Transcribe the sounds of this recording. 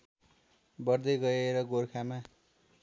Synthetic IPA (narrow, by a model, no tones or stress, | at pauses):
bʌrd̪ʌjɡʌeɾʌɡorkʰama